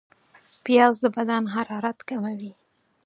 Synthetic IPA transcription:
pjɑzd̪əbad̪anɦaɾɑɾat̪kamawi

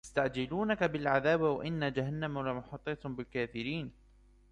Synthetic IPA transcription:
ɪst̪aʕd͡ʒɪluːnakabɪlʕaðaːbwa̰ʔɪnːad͡ʒaɦanːamawlamɑħɑt̪ˤːɑːt̪ˤhmbɪlkaːθɪɾiːn

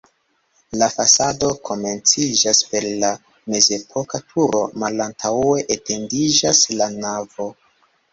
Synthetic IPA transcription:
lafasado̞kʰo̞me̞nt͡sid͡ʒaspe̞ɾla | me̞ze̞pʰo̞katʰuɾo̞malantʰawe̞ʔetʰe̞ndid͡ʒaslanavo̞

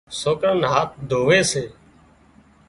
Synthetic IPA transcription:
soːkɾənɦaːt̪̚d̪ʱoːʋeːseː

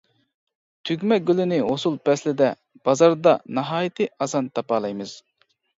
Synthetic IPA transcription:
t̪ʰyɡʲmɛɡʲølɪnɪɦosulˠpʰɛslɪd̪ɛ | b̥ɑzɑɾd̪ɑnɨɦɑːjit̪ʰɨɑzɑnt̪ʰɑpɑːlˠɑjmɨz̥

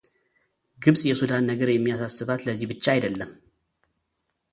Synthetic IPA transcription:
ɡɨβsʼjɛsud̪anːəɡəɾjɛmːijasasːɨβat̪ləzːihbɨt͡ʃːaajd̪əlːəm

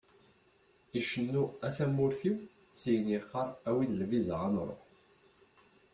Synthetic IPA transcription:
iʃənːuæθæmːʊɾθiw | t͡sːijənjiχːɑɾˤæwiðəlvizʁanɾˤo̰

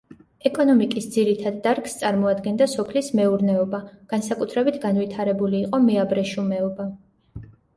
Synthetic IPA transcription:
ɛkʼɔnɔmikʼisd̪ziɾit̪ʰad̪ːaɾkst̪sʼaɾmɔad̪ɡɛnd̪asɔpʰlismɛuɾnɛɔbaɡ̥ansakʼut̪ʰɾɛbit̪ʰɡanvit̪ʰaɾɛbuliːqʼɔmɛabɾɛʃumɛɔba

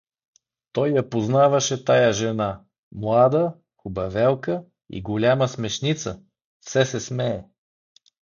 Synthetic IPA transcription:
t̪ɔjːɐpoznavɐʃɛt̪ajaʒɛna | mlˠad̪ə | kʊbɐvɛlˠkə | ḭɡolʲaməsmɛʃnit̪sə | fsɛsɛsmɛː

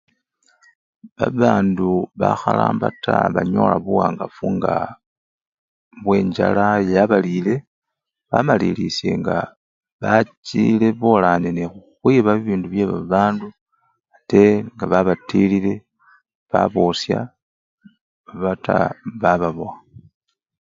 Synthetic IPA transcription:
βaβaːnduβaxalaːmbatʰaβaɲo̞̰ːlaβuwaːŋɡafuŋɡa | βwe̞ːɲɟalajaβalile̞ | βamalilisje̞̰ŋɡa | βat͡ʃile̞βolanenexuxwiβaβiβiːnduβje̞βa̰βaːndu | ate̞ŋɡaβaβatilile̞ | βa̰βosja | βataβaβaβoa

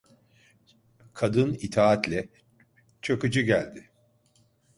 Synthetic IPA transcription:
kʰad̪ɯnit̪ʰaːat̪lʲɛ | t͡ʃʰokud͡ʒɯɟælʲd̪ɪ

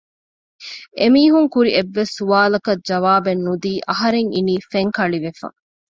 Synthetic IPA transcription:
emiːɦuŋkuɾieʋːesːuʋaːlɐkɐd͡ʒɐʋaːbenːud̪iːʔɐɦɐɾeŋiniːfeŋkɐɭiʋefɐ̰

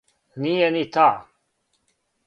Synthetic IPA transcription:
nienit̪ʰa

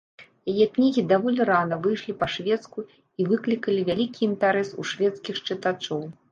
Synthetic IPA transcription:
jajɛknʲiɣʲid̪avɔlʲiɾanɐvɨjʂlʲipɐʂvʲɛt̪sku | ivɨklʲikɐlʲivʲalʲikʲiint̪ɛɾɛsṵʂvʲɛt̪skʲixt͡ʂɨt̪at͡ʂɔw

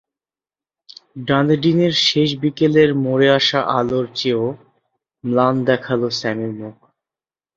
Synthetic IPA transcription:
ɖãnd̪ɖineɾʃeʃ̬bikeleɾmoɾeaʃaʔaloɾt͡ɕeo | mland̪ɛkʰalosɛmiɾmuk

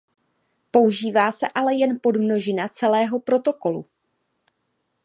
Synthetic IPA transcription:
po̞uʒiːvaːsɛʔalɛjɛnpo̞dmno̞ʒɪnat͡sɛlɛːɦo̞pɾo̞t̪o̞ko̞lṵ

